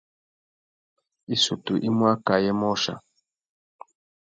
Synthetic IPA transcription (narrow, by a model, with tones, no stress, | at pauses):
i˦su˨tu˨ʔi˦mwa˦ka˨jɛ˦mɔ˦ʃa̰˨